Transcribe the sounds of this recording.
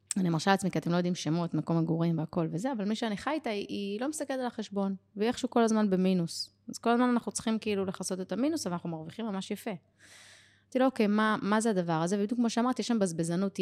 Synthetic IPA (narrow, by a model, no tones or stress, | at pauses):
animaʁʃalat͡smikiat̪emlojod̪imʃemot̪mako̞meɡuʁimveako̞lvezeavalmiʃeaniχajt̪aiʔilo̞mist̪aked̪alaχeʃbo̞nveeχʃuuko̞lazmanbe̞minus | azko̞lazmananaχnut͡sχimkiilule̞χaso̞t̪e̞t̪aminusavalnaχnumaʁviχimamaʃjafe̞ | t̪ilookejmamazead̪avaʁazevebid̪jukmoʃeamaʁt̪ieʃambazbezanut̪